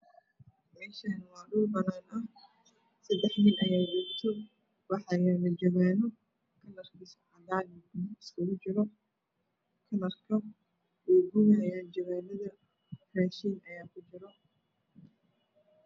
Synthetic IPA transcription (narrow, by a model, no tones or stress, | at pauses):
mɛːʃɐnɐwɑːɗʊlbɐnaːnɐh | sɐd̪ɛħnɪnʔɐjaːdiːɡt̪ʰɔ | wɑħɑjɛlɐd͡ʒɔβɛːnɔ | kʰɐnɐrkɪsʕɑdaːlɪɡʊnɪskʰɐɣʊt͡ʃɪɾɔ | kʰɐnɐrkʰɐ | wɛːɡʊnɪɦɐjaːnd͡ʒɔβɛːlɐðɐ | rɛːʃiːnɐjaːkʰʊt͡ʃɪɾɔ